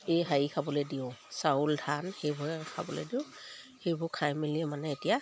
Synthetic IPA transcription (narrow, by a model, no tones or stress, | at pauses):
ejɦajikʰabɔlɛdiʊsauldʱanxejbʊɛkʰa̰bɔlɛ̰diʊ̃ | xejbʊɹkʰajmiliɛmanɛːtija